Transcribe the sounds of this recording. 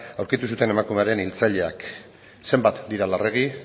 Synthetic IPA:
awɾkit̪us̬ut̪e̞ne̞makume̞aɾe̞nilt͡saʎe̞ak | se̞mbat̪d̪iɾalare̞ɣ̞i

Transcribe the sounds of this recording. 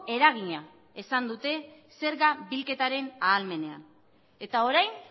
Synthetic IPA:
e̞ɾaɣ̞iɲa | esand̪ut̪e̞ | se̞ɾɣabilke̞t̪aɾe̞naːlme̞ne̞a̰n | e̞t̪ao̞ɾajn

